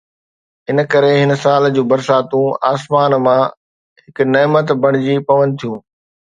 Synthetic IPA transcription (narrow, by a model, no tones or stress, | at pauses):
ɦɪnə̆kɐɾeɦɪnə̆saːld͡ʑuːbɐɾsaːt̪ũaːsmaːnmã | ɦɪkneːmət̪bʱɐɽ̃ɪd͡ʑipɐʋə̃nt̪ʰijũː